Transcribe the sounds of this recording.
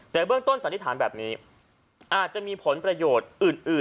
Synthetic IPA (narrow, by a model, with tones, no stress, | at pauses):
t̪ɛː˨˩bɯ˥˩əŋt̪o˥˩nsa˨˦nt̪i˧˥t̪ʰaː˩˦nbɛː˨˩p̚niː˦˥ | ʔaː˨˩t̪̚t͡ɕa˨˩miː˧pʰo˩˦npɾa˧joː˨˩t̪̚ʔɯː˨˩nʔɯː˨˩